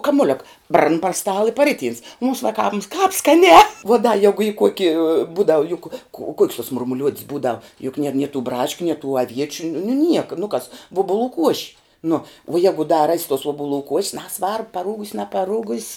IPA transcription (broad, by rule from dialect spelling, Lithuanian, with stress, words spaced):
kɐmʊˈlʲʊk brɐn pɐr ˈstɑːlˠɐ ɪ pɐˈrʲɪˌtʲiːns mʊms ʋɐˈkɑːms kɑːp skɐˈnʲɛː ʋuɔ dɐ ˈjæːɡʊ iː ˈkuɔkʲɪ ˈbuːdɐʋʊ jʊk kʊ oː kuɔkʲs tuɔ mʊrmʊˈlʲuɔtʲs ˈbuːdɐw jʊk nʲiɛr nʲiɛ tuː ˈbrɑːʃʲkʲʊ nʲiɛ tuː ɐˈʋʲiɛt͡ʃʲʊ nʊ nʊ nʲiɛk nʊ kɐs ˈʋuɔbʊˌlˠuː ˈkuɔʃʲɪ ˈnʊ ʋuɔ ˈjæːɡʊ dɐ rɐsʲ tuɔs uɔbʊˈlˠuː kuɔʃʲs ˈnʲæːsʋɐrp pɐˈruːɡʊsʲ nʲɛpɐˈruːɡʊsʲ